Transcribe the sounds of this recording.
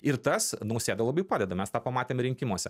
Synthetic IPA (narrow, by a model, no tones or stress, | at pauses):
ɪɾt̪ɐsnɐʊsʲeːd̪ɐlˠɐbɐɪpɑːd̪ʲɛd̪ɐmʲɛst̪ɑːpɐmɑːt̪ʲeːmɾʲɪŋʲkʲɪmuɔsʲɛ